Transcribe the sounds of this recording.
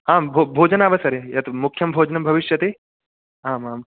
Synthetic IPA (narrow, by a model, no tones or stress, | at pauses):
aːbʱobʱoːd͡ʒɐnaːʋɐsɐɾejɐt̪mukʰːjɐmbʱoːd͡ʒɐnɐmbʱɐʋiʃjɐt̪e | aːmaːm